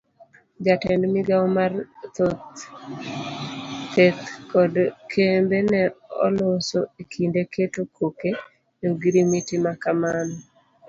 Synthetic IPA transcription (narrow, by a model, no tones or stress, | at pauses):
d͡ʒatɛndmɪɡawmart̪ot̪ | t̪et̪̚kɔdkʰembenɛɔ̰losoekʰindekʰetokʰoke | joɡɾimitimakamanɔ